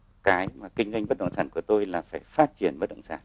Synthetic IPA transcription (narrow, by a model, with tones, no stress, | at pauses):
kaː˨˦jmaː˨˩kï˧ŋ̟za˧jŋɓə˦˥t̚ɗə̰˧˨wŋ͡msaː˧˩nku˧˩ət̪o˧jlaː˨˩faː˧˩jfaː˦˥t̚t͡ɕi˧˩ənɓt̚ɗə̰˧˨ŋ͡msa̰ː˧˩n